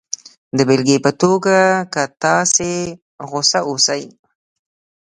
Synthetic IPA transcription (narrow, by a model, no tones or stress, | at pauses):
d̪əbelɡepət̪oɡakət̪ɑse | ɣosaʔosaj